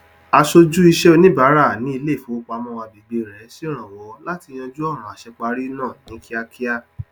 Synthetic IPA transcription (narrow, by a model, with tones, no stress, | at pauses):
a˧ʃo˧d͡ʒu˦i˧ʃɛ˦o˧nĩ˦ba˨˦ɾa˦˨nĩ˦i˦˧le˦˨fũ˨˦o˦˧k͡pa˧mɔ̃˦˧wa˧bi˧ɡ͡bi˧ɾɛ˨˦si˦ɾ̃ã˨wɔ˨˦la˦ti˧j̃ã˧d͡ʒu˦ɔ˦˨ɾ̃ũ˨a˨ʃɛ˧k͡pa˧˦ɾi˦nã˦˨nĩ˨˦ki˦a˧kʰi˦a˦